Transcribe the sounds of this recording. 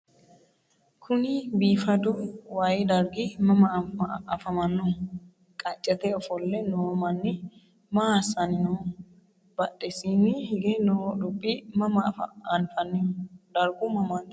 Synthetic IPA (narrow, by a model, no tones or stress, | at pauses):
kʰʊnɪbiːfɐd̪ʊwajd̪ɐɾɡɪmɐmɐɐfɐmɐnːɔ | kʼɐt͡ʃʼːɛt̪ɛɔfɔlːɛnoːmɐnːɪ | maːsɐnɪnɔ | b̥ɐɗːɛsinːɪhɪɡɛnɔd̪ʊpʼːɪmɐmɐfɐ̰ɐnfɐnɪd̪ɐɾɡʊmɐmɐn